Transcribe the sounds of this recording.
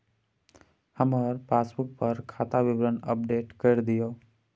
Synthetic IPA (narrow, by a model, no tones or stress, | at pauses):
həməɾpaːsbuk̚pəɾkʰaːt̪aʋɪbɾənəp̚ɖeːʈkəɾd̪ijo